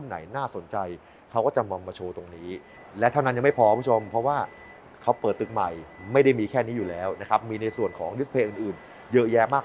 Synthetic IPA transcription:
u˥˩nːa̰˩˦jnaː˥˩so˨˩˦nt͡ɕa˧j | kʰa˦˥wkɔː˥˩t͡ɕa˨mwa˧mːaː˧t͡ɕʰoː˧t̪o˧ŋniː˦˥ | lɛ˦˥wt̪ʰa˥˩na˦nja˨ŋma˥˩pʰɔː˧ka˦pʰu˥t͡ɕʰo˧mpʰɾɔ˦˥waː˥˩ | kʰa˦˥wpəɤː˨˩t̪ːɯ˨˩k̚ma˨˩jma˥˩jda˥˩jmiː˧kʰɛː˥˩niː˦˥juː˨˩lɛː˦˥wna˦˥kʰa˦˥p̚miː˧na˧jsu˨˩ənkʰɔː˩˦ŋju˦˥spʰeː˧ʔɯː˨˩nʔɯː˨˩n | jɤ˦˥ʔjɛː˦˥maː˥˩k

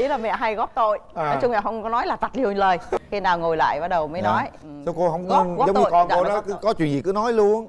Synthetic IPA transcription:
ʔḭ˨˦laː˨˩mɛ̰˧˨ɦa˧jɣɔ˦˥p̚t̪o̰˧˨jnɔ˨˦jt͡ɕʊ˧ŋ͡maː˨˩wɦə˧wŋ͡mkɔ˨˦nɔ˨˦jlaː˨˩t̪a˨˩t̚li˧˩wnləː˨˩jxi˧naː˨˩wŋo˨˩jla̰ː˧˨jɓaː˨˧˩ɗə˨˩wməː˨˦jnɔ˨˦jsa˧wko˧hə˧wŋ͡mə˧˥˧ɣɔ˦˥zə˨˦w̪ɲɨ̰˧˨˧kɔ˨˩n˨˧˨ɗɔ˨˦kɨ˨˦kɔ˨˦t͡ɕwḭ˧˨nzi˨˩kɨ˨˦nɔ˨˦jlu˧ən

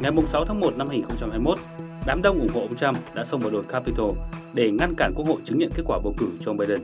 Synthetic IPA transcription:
ŋa˨˩jmʊ˨˩ŋ͡msa˨˦wt̪ʰaː˨˦ŋmo˨˩t̚na˧mha˧ŋi˨˩nxə˧wŋ͡mt͡ɕa˧mhɦaː˧jmo˦˥t̚ | ɗaː˨˦mɗə˧wŋ͡mʔʊ˧˩ŋ͡mho̰˧˨ʔə˧wŋ͡mt͡ɕa˧mɗa̰ː˧˥sə˧wŋ͡mmə˨˩ɗo˨˩kaː˧pi˧t̪ʰo˧ɗe˧˩ŋa˧nkaː˧˩nku˦˥ək̚ho̰˧˨jt͡ɕɨ˨˦ŋɲḭ˧˨nke˦˥t̚kwaː˧˩ɓə̰˧˩wkɨ˧˩t͡ɕɔ˧ŋ͡mɓaː˧jɗə˧˩n

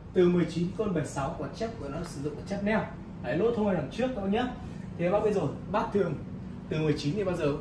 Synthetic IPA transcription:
t̪ɨ˨˩mɨ˨˩əjt͡ɕi˨˦nkɔ˧nɓə˨˩jsa˨˦wku˧˩˨t͡ɕə˦˥t̚ku˧˩ənɔ˨˦sɨ˧˩zʊ̰˧˨ŋ͡ma˨˧˩t͡ɕə˦˥p̚nɛ˧˩w | ha˨˦jlo̰˦˥t̪ʰə˧wha˧jla˨˩t͡ɕɨ˦˥ək̚t̪a˧ɲə˦˥t̚ | t̪ʰe˨˩˨ɓaː˨˧˦ɓə˧jzo˨˩jɓaː˦˥t̪ʰɨ̰˧˨əŋ | t̪ɨ˨˩mɨ˨˩əjt͡ɕi˨˦ni˨˩ɓaː˧wzəː˨˩

